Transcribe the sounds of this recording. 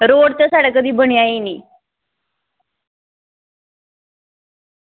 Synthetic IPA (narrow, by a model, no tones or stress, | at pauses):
ɾoɽt̪əsaɽəkəd̪iːbʱəɳjajeni